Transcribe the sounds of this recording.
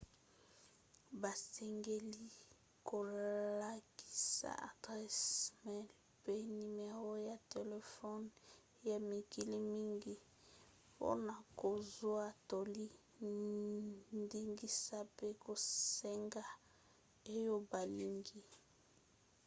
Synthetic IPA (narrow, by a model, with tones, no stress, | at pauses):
ba˨sɛ˨ŋɡe˦li˦ | ko˨la˦ki̥˦sa̰˦a̰˨dʁɛ˦smɛ˦l | pe˦ni˨me˨a˨wo˦ja˨te˨le˨fɔ˦n | ja˨mi˨ki˨li˦mi˦ŋɡi˦ | po̰˦na˨ko˨zwa˦to˨li˦ | ndi˦ŋɡi˦sa˦pe˦ko˨se˦ŋɡa˦ | e˦jo˦ba˨li˨ŋɡi˦